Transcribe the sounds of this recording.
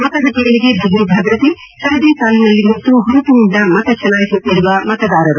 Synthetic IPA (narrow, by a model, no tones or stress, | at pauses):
mɐt̪ɐɡɐʈɐjɐɭiɡebʱiɦubʱɐːɡɾɐt̪i | ʃɐɾd̪iːsaːlinɐlːimɐt̪ːuɦuɾuʈ̪uuɳɖɐmɐt̪ɐt͡ʃʰɐnaːjisut̪ːiɾuʋɐmɐt̪ɐd̪aːɾɐɾu